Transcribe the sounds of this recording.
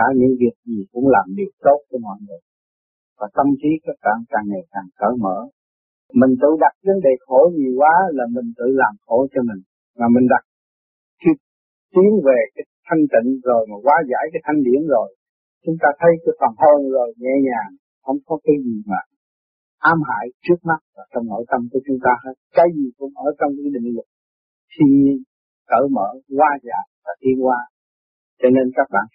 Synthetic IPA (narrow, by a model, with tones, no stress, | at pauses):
aː˧˩ɲɨ̰˧˥ŋvi˨˩ək̚zi˨˩kʊ̰˧˥ŋ͡mlaː˨˩mɗi˨˩ək̚t̪o˦˥t̚t͡ɕɔ˧˦mɔ̰˧˨jŋɨ˨˩ə | vaː˨˩t̪ə˧mki˨˦k̪ə˦˥kaː˧˩ŋkaː˨˩ŋːe˨˩jkaː˨˩ŋkəː˧˩˦mə̰ː˧˥˦ | mï˨˩ŋ̟t̪ɨ̰˧˨ɗa˨˩t̚və˨˦nɗe˨˩xo˧˩˦ɲi˨˩kwaː˨˦laː˨˩mï˨˩ŋ̟t̪ɨ̰˧˨laː˨˩mxo˧˩˦t͡ɕɔ˧mï˨˩ŋ̟ | maː˨˩mï˨˩ŋ̟ɗa˨˩t̚ | kʰi˧ | t̪i˨˦əŋve˨˩kaː˨˦jt̪ʰa˧jŋ̟t̪ḭ̈˧˨ŋ̟zo˨˩jmaː˨˩kwaː˨˦za̰ː˧˩jkaː˨˦jt̪ʰa˧jŋ̟ɗḭ˧˩˦ənzo˨˩j | t͡ɕʊ˨˦ŋ͡mt̪aː˧t̪ʰə˨˦jkaː˨˦jfaː˨˩nho˧nzo˨˩jŋɛ˧ɲaː˨˩ | hə˧wŋ͡mkɔ˨˦ka˨˦jzi˨˩maː˨˩ | ʔaː˨˦mɦa̰ː˧˨jt͡ɕɨ˦˥ək̚ma˦˥t̚vaː˨˩t͡ɕɔ˧wŋ͡mno̰˧˥˦jt̪ə˧mku˨˩ət͡ɕʊ˨˦ŋ͡mt̪aː˧˨˦kaː˨˩jzi˨˩kʊ̰˧˥ŋ͡mʔəː˧˩t͡ɕɔ˧wŋ͡mki˨˦ɗḭ˧˨ŋ̟lʊ˨˩t̚ | t̪ʰi˧ɲi˧ən | kəː˧˩məː˧˩ɣwaː˧za̰ː˨˩jvaː˨˩t̪i˧ənkwaː˧ | t͡ɕɔ˧ne˧nkaː˦˥k̚ɓa̰ː˧˨n